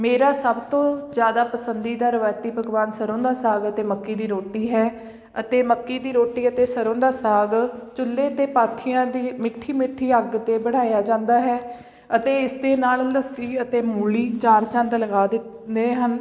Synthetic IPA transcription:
meːɾaːsəbt̪õːzjaːd̪aːpəsənd̪iːd̪aːɾəʋaːjt̪iːbʱəɡʋaːnsəɾõːnd̪aːsaːɡət̪eːməkːiːd̪iːɾoːʈiːɦɛː | ət̪eːməkːiːd̪iːɾoːʈiːət̪eːsəɾõːd̪aːsaːɡt͡ʃʊlːeːd̪eːpaːt̪ʰijãːd̪iːmɪʈʰːiːmɪʈʰːiːəɡt̪eːbəɽaːjaːd͡ʒãːnd̪aːɦɛː | ət̪eːɪsd̪eːnaːlləsiːət̪eːmuːliːt͡ʃaːɾt͡ʃãnd̪ləɡaːd̪ɪt̪ | d̪eːɦən

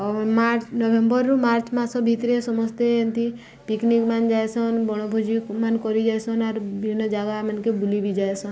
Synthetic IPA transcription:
maɾt͡ʃnɔbembɔɾmaːɾt͡ʃmãsɔbʱit̪ɾesɔmɔst̪eent̪i | piknikmand͡ʒajsɔnbɔɽ̃obʱud͡ʒikmankɔɾid͡ʒasɔnaɾbʱinəd͡ʒaɡamankebulibʱid͡ʒaesɔn

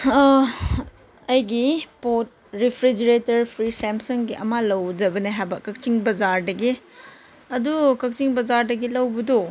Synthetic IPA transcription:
ɐjɡipot̚ | ɾipʰɾid͡ʒɐɾetɐɾpʰɾisempsɐŋɡiʔɐ̰malɐwd͡ʒɐbɐneɦajbɐkɐk̚t͡ʃiŋbɐzaɾdɐɡi | ɐdukɐk̚t͡ʃiŋbɐzaɾdɐɡilɐwbɐdo

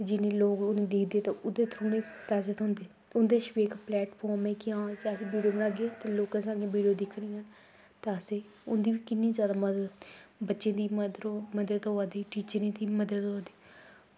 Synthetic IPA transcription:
d͡ʒɪnẽːloːkʊnẽːd̪ɪkʰd̪eːt̪aʊd̪eːt̪ʰɾũːnẽːpɛːzət̪ɦʊ̃nd̪eː | ʊnd̪eːʃʋeːkplɛːʈpʰɔːɾmɛ̃ːkɪjãːjaːəseːʋiːɖijoːbənaːɡeeːt̪eːloːkãːsãːɡẽːʋiːɖijoːd̪ɪkʰɽ̃ĩːɦaː | t̪aseː | ʊnd̪iːʋiːkɪnːĩːzjaːd̪aːməd̪əbətːʃẽːd̪iːməd̪məd̪əd̪oad̪iːʈiːt͡ʃəɾẽːd̪iːməd̪əd̪ɦod̪eː

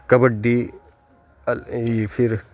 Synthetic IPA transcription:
kɐbɐɖi | pʰiɾ

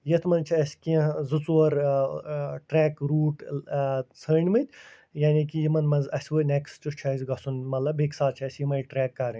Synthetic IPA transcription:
jɐt̪ʰmɐnt͡ʃʰiɐsʲkiɐ̃zɨt͡suɐɾ | ʈɾɛːkɾuːʈ | t͡sʰəːɳʲmɨt̪ʲ | jaːnikijimɐnmɐnzɐsʲʋɨnekst͡ʃut͡ʃʰɐzʲɡɐsunmɐt̪lɐbeksaːt͡ʃʰiɐsʲjimɐjʈɾɛːkːɐːɾĩnʲ

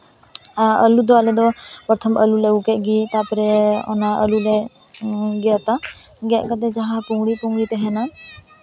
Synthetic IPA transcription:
əlud̪ɔalɛd̪ɔpɾɔt̪ʰəmʔəlulɛukɛʔɡit̪apɾɛɔ̰naʔəlulɛ | ɡɛət̪a | ɡɛʔkəd̪ɛd͡ʒaɦapuŋɡɽipuŋɡit̪ɛɦɛna

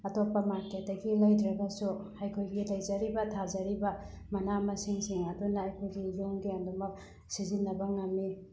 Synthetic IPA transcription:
ɐtopːɐmaɾkʰet̚dɐɡilɐjdɾɐɡɐsuhajkʰojɡilɐjd͡ʒɐɾibɐtʰazɐɾibɐ | mɐnamɐsiŋsiŋɐdunajkʰojɡijuŋɡiɐndumɐk | sizinːɐbɐŋɐmːi

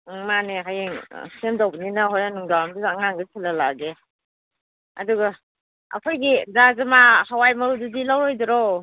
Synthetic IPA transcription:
maneɦajeŋ̰semdawbininaɦɔjnanuŋdawamduzaŋaŋɡɯsʰilalaɡe | a̰duɡa | a̰pʰɔjɡidazamahawajmaɾududilawɾɔjdɔɾɔ

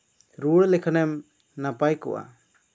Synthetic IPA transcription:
ɾuɽlɛkʰanɛm | napajkɔ̰wʔa̰

